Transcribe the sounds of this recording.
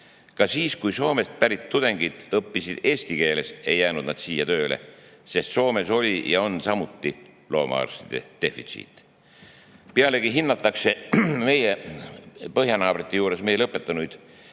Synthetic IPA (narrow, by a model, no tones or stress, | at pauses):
kɑsiːskujso̞ːmest̪̚pæɾit̪ːud̪̥e̞ŋɡ̥id̪̥ɤpːisid̪̥e̞ːsʲt̪ike̞ːle̞se̞jːæːnud̪̥nɑd̪̥siːjɑt̪ø̞ːlʔe̞̰ | se̞st̪so̞ːme̞so̞lʲijɑo̞nsɑmut̪ːi | lo̞̰ːmɑ̰ɑ̰rst̪id̪̥e̞̰d̪̥e̞fḭt̪sḭt̪ːˑ | peɑle̞ɡiɦinːɑt̪ːˑɑkse̞me̞je | pɤɦjɑnɑːb̥rit̪ːˑe̞juːɾe̞sme̞jlɤpːet̪ːˑɑnujd̪̥